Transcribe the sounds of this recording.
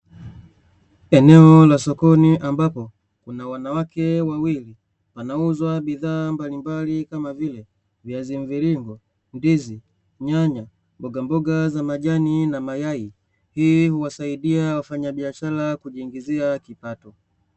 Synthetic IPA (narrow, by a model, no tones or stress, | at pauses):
ɛnɛɔlasɔkɔniʔambapɔ | kunawanawakɛwawili | panauzwabiðaːmbalimbalikamavilɛ | vjaziɱviɾiŋɡɔ | ndizi | ɲaɲa | mbɔɡambɔɡazamaʄaninamajai | hiːhuwasaidiawafaɲabiaʃalakuʄiŋɡiziakipatɔ